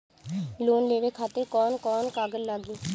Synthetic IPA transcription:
loːnleːʋeːkʰaːt̪əɾkɔːnkɔːnkaːɡəlːaːɡiː

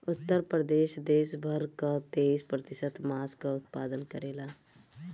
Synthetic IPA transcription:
ʊt̪ːəɾpɾəd̪eːʃd̪eːʃbʱəɾkat̪eːiːspɾət̪ɪsət̪maːskaʊt̪paːd̪ənkəɾeːlaː

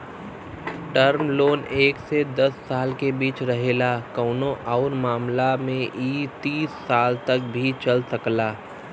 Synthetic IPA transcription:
ʈɐɾmloːneːksed̪ɐsːaːlkebiːt͡ʃɾɐɦeːlakɔːnõʔɔːɾmaːmlamẽʔiːt̪iːsːaːlt̪ɐk̚bʱit͡ʃɐlsɐklaː

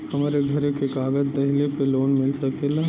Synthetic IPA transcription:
hɐmaːɾeɡʱɐɾekekaːɡəd͡ʒd̪ɐɦɪlepeloːnmɪlsɐkela

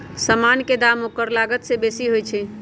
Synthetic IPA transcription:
səmanked̪amokəɾlaɡət̪sebesiɦojt͡ʃʰɛ

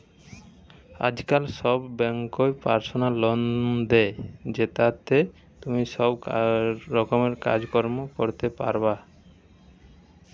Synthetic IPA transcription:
a̰d͡ʑkalsɔbːɛŋkoepaɾsonalːɔnd̪ɛd͡ʒet̪at̪ʰe | t̪umiʃɔbː | ɔkomeɾka̰d͡ʑkɔɾmokoɾt̪epa̰ɾba

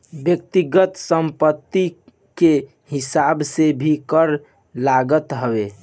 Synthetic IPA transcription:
bjək̚t̪iɡət̪səmpət̪ːi | ke | hɪsabsebʱikəɾ | laɡət̪ɦəʋe

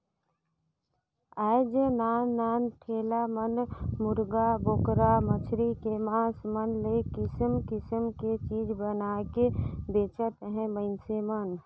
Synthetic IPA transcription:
aːjd͡ʒenaːnːaːnʈʰeːlamənmʊɾɡabokɾamət͡ʃʰɾikemãːsmənlekɪsəmkɪsəmket͡ʃiːd͡ʒbənakebeːt͡ʃət̪ɦɛ̃məɪnsemən

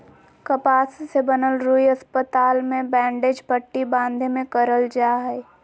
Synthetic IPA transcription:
kəpaːssebənəlɾuiɐspət̪aːlmẽbɛ̃ːɳɖeːd͡ʒpəʈːibãːnd̪ʱemẽkəɾəld͡ʒaːɦɛ

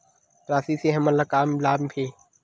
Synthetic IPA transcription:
ɾaːsiːseːɦəməlakaːmlaːmpʰeː

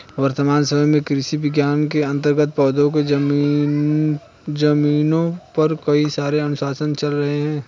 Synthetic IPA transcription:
ʋɐɾt̪əmaːnsəməmẽkɾɪʃiʋɪɡjaːnkeɐ̃nt̪əɾɡət̪̚pɔːd̪õked͡ʒɐmi | d͡ʒɐmiːnõpɐɾkɐisaːɾeɐnʊsaːsənt͡ʃɐlɾɐɦeɦɛ̃ː

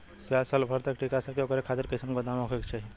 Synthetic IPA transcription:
pasəlbʱəɾt̪əkʈikasəkeokɾekʰat̪iɾkisimkod̪amokʰekt͡ʃʰaɦi

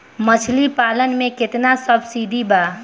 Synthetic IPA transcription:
mət͡ʃʰlipaːlənmẽkɪt̪nasəbʱsid̪ʱiba

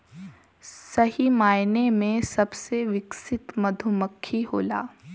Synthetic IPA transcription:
sɐɦimaːjnemẽsɐbseʋɪksɪt̪mɐd̪ʱʊməkʰːiɦoːla̰ː

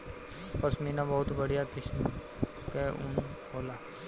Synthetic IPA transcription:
pəsmɛ̃ːnãːbɔɦʊt̪bəɽijaːkɪsm | keʊ̰n | oːlaː

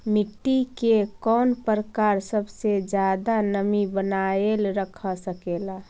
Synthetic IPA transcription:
mɪʈːikekɔːnpɾəkaːɾsəbsed͡ʒjad̪anəmibənaelɾəkʰəsəkeːla

